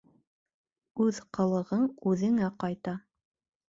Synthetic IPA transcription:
ʉðqɤ̆lˠɤ̆ʁɤɴʉðɘ̆ŋæqɑjt̪ɑ

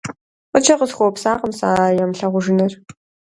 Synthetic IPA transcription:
qʷʊt͡ʃʰɐqəzxʷopsaːqəmsaːjɐmɬɐʁʷʊʒɨnɐr

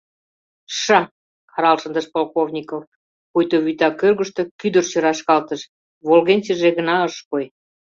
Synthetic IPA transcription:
ʃɑ | kɑɾɑlʃə̆nd̪əʃpolˠkovnʲikof | kujt̪oβyt̪ɑkørɣəʃt̪ĕkyd̪ərt͡ɕøɾɑʃkɑlt̪əʃ | βolɣenʲt͡ɕeʒeɣənɑəʃkoj

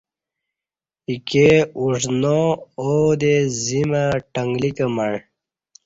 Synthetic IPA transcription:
ikeuʐnood̪ezimaʈəŋɡlikəmaɳ

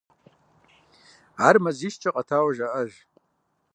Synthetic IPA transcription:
armaziʃt͡ʃʰʼaqʼatʰawaʒaʔaʒ

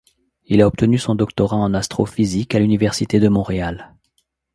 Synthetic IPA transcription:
ilaɔp̚t̪ənysɔ̃d̪ɔk̚t̪ɔʁãɑ̃nast̪χɔfizikalynivɛʁsit̪ed̪əmɔ̃ʁeal

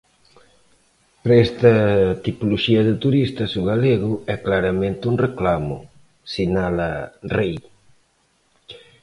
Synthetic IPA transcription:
pɾɐest̪ɐt̪ipoloʃiɐðɪt̪uɾist̪ɐsuɣaleɣʊɛklaɾɐmẽnt̪ɪuŋreklamʊ̰ | sinalɐrej

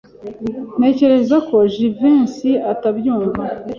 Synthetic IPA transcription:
ne̞ce̞ɾe̞zako̞ʒiviːnsiatabjuːɱva

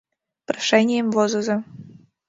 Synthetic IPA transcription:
pɾɐʂɛnʲɪjəmvozuzɐ

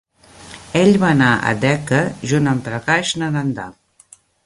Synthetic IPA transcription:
eʎβaːnaʔə̰d̪ɛkəʒunəmpɾəkaʃnəðənd̪a̰

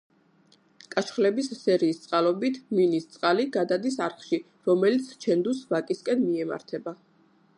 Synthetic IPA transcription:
kʼaʃχlɛbissɛɾiːst̪sʼqʼalˠɔbit̪ʰminist̪sʼqʼaliɡad̪ad̪isaɾχʃi | ɾɔmɛlit̪sʰt͡ʃʰɛnd̪usvakʼiskʼɛnmiɛma̰ɾt̪ʰɛba

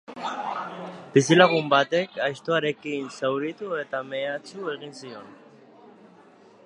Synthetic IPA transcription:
bis̬ilaɣumbat̪e̞kajʃt̪oaɾe̞kinsewɾit̪ue̞t̪ame̞at͡sue̞ɣ̞insio̞n

